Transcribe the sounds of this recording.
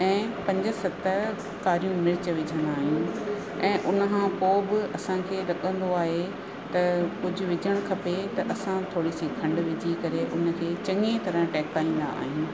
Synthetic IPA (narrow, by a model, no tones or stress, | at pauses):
ɛ̃ːpɐ̃ɲd͡ʑə̆sɐt̪ə | kaːɾijũmɪɾɪt͡ɕ̆ʋɪd͡ʑʱə̃nd̪aːɦijũ | ɛ̃ːʔʊnə̆kʰãːpoːbɪɐsãkʰeːɾɐɠə̃n̆d̪oaːɦe | t̪ɐkʊd͡ʑʱʊ̆ʋɪd͡ʑʱəɽ̃kʰɐpet̪ɐʔɐsãt̪ʰoːɽisikʰɐ̃ɳɖʋɪd͡ʑʱikɐɾeʔʊnə̆kʰeːt͡ɕɐ̃ŋẽt̪ɐɾə̃ʈɛːkaːĩːnd̪a̰a̰ːɦijũː